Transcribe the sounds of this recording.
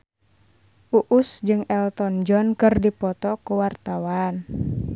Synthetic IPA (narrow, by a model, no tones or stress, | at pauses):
ʔuʔusd͡ʒɨŋɛlt̪ɔnd͡ʒɔnkɨrdipɔt̪ɔkuwart̪awan